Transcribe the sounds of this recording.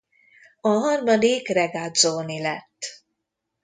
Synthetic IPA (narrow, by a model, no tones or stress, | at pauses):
ɒɦɒrmɒd̪ikrɛɡad̪zoːnilɛt̪ː